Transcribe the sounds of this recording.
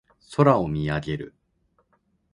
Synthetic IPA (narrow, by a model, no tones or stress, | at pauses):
so̞ɾao̞mʲiaɡe̞ɾɯ̰